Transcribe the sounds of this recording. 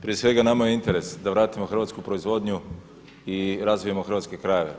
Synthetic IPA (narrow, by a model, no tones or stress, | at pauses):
pɾie̞sʋe̞ɡanamajeint̪e̞ɾe̞sd̪aʋɾaːt̪imo̞xr̩ʋat̪skupɾoizʋo̞d̪ɲu | iɾazʋijamo̞xr̩ʋat̪ske̞kɾaje̞ʋe̞̰